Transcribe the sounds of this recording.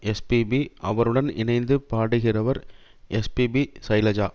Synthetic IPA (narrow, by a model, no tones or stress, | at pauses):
ɛspibiʔɐʋɐɾɯɽɐnɪ̰nɐɪnd̪ɯpaːɽɯɣɪrɐʋɐɾ | ʔɛspibisɐjlɐd͡ʒaː